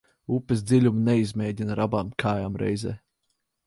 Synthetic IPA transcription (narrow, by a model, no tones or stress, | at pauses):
upʲːes̬d̪zilʲumnɛizmʲɛːɟʲinɾabaːmkʰaːjaːmɾʔɛ̰jzɛ̰ː